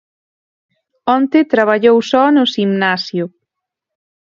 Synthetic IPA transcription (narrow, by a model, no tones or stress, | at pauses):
ɔnt̪ɪt̪ɾaβ̞aʎowsɔnʊsimnasjʊ